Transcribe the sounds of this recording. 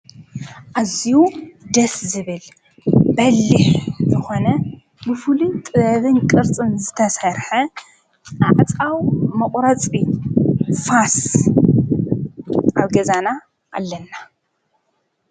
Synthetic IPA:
ʔazijud̪ɐszɨβɨl | bɐlːiħzɨxo̞nɐ | bɨfɨlut̪ʼɨβɐβɨnkʼɨɾt͡sʼɨnzɨt̪ʰɐsɐɾħɐ | aʕt͡sʼawmɐqʼɾɐt͡sʼi | fas | ʔaβɡɐzana | ʔːlːɐnːa

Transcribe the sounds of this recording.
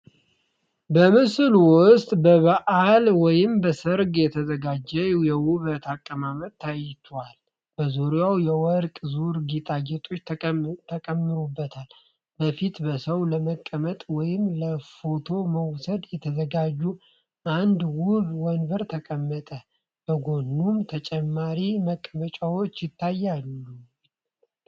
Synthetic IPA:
bəmɨslwʊst̪ʼbəβəʔalwɔjɪmbəsəɾɡjɛt̪ʰəzəɡad͡ʒːɛjɛwuβət̪ʰakʼːəmamət̪ːajt̪ʰwal | b̥əzuɾjawjɛwɔɾkʼzuɾɡit̪ʼad͡ʒɛt̪ʼo̞t͡ʃːt̪ʰt̪ʰːəkʼəmːɨɾubːət̪ʰal | bəfit̪bəsəwləməkʼːəmət̪ʼwɔjɪmləfo̞t̪ʰo̞məwsəd̪jɛt̪ʰəzəɡad͡ʒːu | ʔand̪wʊβwɔnvəɾt̪ʰəkʼəmːət̪ʼə | b̥əɡo̞nːumt̪ʰət͡ʃʼɛmːaɾiməkʼːəmət͡ʃʼawot͡ʃːjɪt̪ʰːajːalːu

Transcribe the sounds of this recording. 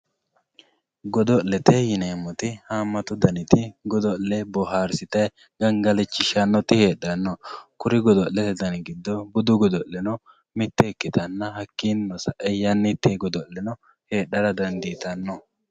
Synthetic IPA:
ɡɔd̪ɔlɛt̪ɛjɪneːmɔt̪ɪhaːmːɐt̪ʊd̪ɐnɪt̪ɪɡɔd̪ɔllɛbɔɦaːɾsɪt̪ɐj | ɡ̥ɐŋɡɐlɛt͡ʃːɪʃɐnːɔt̪ɪheːɗːɐnːɔkʊɾɪɡɔd̪ɔllɛt̪ɛd̪ɐnɪɡɪd̪ːɔbʊd̪ʊɡɔd̪ɔlːɛnɔ | mɪt̪ːɛːkːɪt̪ɐnːɐɦɐkːinːɔsɐʔɛjɐnːɪt̪ːeɡɔd̪ɔlɛnɔ | he̞ːɗːɐɾɐd̪ɐnd̪iːt̪ɐnːɔ

